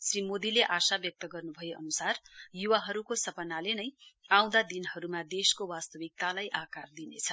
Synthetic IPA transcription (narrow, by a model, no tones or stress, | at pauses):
srimod̪ileʔasabjʌk̚t̪ʌɡʌrnubʱʌjeʔʌnusarjuwaɦʌɾukosʌpʌnalenʌjaw̃d̪ad̪inhʌɾumad̪eskowast̪ʌbik̚t̪alajʔakard̪inḛt͡sʰʌ